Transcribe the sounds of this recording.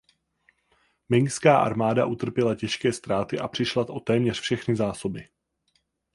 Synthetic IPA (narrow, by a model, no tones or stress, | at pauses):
mɪŋkskaːʔa̰ɾmaːdaʔut̪r̩pjɛlacɛʃkɛːst̪ɾaːt̪ɪʔapr̥ɪʃlat̪ʔo̞t̪ɛːmɲɛr̥fʃɛxnɪzaːso̞bɪ